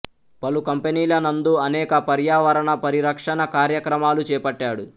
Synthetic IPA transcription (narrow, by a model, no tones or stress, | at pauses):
pɐlukɐmpeniːlɐnɐnd̪uɐnɛːkɐpɐɾjaːʋɐɾɐɳɐpɐɾiɾɐkʂɐɳɐkaːɾjɐkɾɐmaːlut͡ʃɛːpɐʈːaːɽu